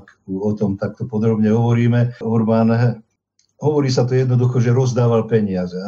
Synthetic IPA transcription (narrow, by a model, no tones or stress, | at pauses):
k | uɔt̪ɔmt̪ak̚t̪ɔpɔd̪ɾɔbɲɛɦɔʋɔɾiːmɛɔɾman | ɦɔʋɔɾiːsat̪ɔjɛd̪nɔd̪uxɔʒɛɾɔzd̪aːʋalpɛɲɪazɛ